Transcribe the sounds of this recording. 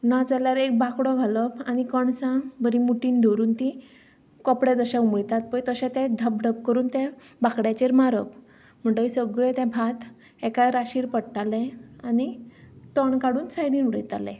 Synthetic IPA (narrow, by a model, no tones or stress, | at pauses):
nad͡zaljaɾek̚bʱakɽɔɡʱalɔañikəɳsãbəɾimuʈiːnd̪ʱoɾuːnt̪ĩ | kɔpɽed͡zəɕãumɭit̪at̪̚pəjt̪əɕɛ̃t̪ɛ̃d̪ʱəp̚d̪ʱəp̚kəɾuːnt̪ɛ̃bʱakɽjat͡ɕeɾmaɾə̰p | m̤əɳʈ̪əisəɡɭet̪ɛ̃bʱat̪ | ɛkaɾaɕiːɾpəɽʈalɛ̃anit̪ɔɳkaɽuːnsajɽiːnuɽə̰jt̪alɛ̰̃